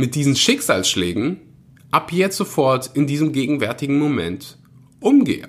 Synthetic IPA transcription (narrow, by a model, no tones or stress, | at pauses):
mɪt̚d̥iːzn̩ʃɪkz̥a̰ːlsʃlɛːɡŋ̩ | ʔapʰjɛt͡sz̥ofɔɐtɪndiːzəmɡeːɡŋ̩vɛɐtɪɡŋ̩momɛ̰nt | ʔʊmɡḛːə̰